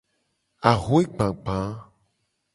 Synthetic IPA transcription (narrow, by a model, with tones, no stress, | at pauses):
a˨ɣo˦e˦ɡ͡bã˨ɡ͡bã˨˦